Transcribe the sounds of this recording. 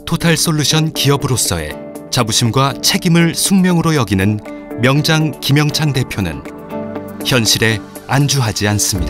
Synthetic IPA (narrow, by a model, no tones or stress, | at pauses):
tʰotʰaɭs͈oɭːuɕʰʌnkiʌbɯɾos͈ʌe̞̰ | t͡ɕabuɕʰimɡwat͡ɕʰe̞ɡimɯɭsʰuŋmjʌŋɯɾojʌɡinɯn | mjʌŋd͡ʑaŋkimjʌŋt͡ɕʰaŋde̞pʰjonɯ̰n | çjʌnɕʰiɾe̞ | and͡ʑuɦad͡ʑians͈ɯmɲida